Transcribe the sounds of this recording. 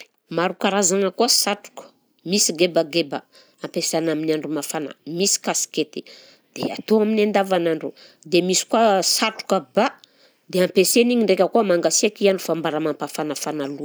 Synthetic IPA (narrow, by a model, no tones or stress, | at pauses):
maɾukaɾazaŋəkuasaʈ͡ʂu̥kə̥ | misiɡebaɡeba̰ | ampesanaminiaɳɖ͡ʐumafana̰misi̥kasi̥ket̪e̥ | d̪̥ea̰t̪oaminand̪avanaɳɖ͡ʐu | d̪emisi̥kuasaʈ͡ʂu̥kəba | d̪eampeseniɲiɳɖ͡ʐekʲəkuamaŋɡasiakiaɳɖ͡ʐufambaɾamampafanafanalu